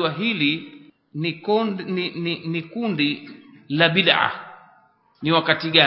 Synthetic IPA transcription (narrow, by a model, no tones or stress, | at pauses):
waɦili | ininikundilaɓiɗaʕa̰ | niwakatiɠa